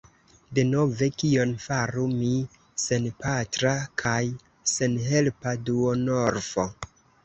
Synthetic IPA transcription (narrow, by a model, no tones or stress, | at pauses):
de̞nove̞kio̞nfaɾumi | se̞npatɾakʰaj | se̞nɦe̞lpaduono̞ɾfo